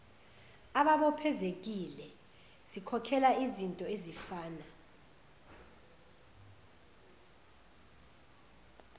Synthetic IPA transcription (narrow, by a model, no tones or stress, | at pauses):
aɓaɓɔpʰɛzek̬ilɛ | sikʰɔkʰɛlaizintʼɔezifaːna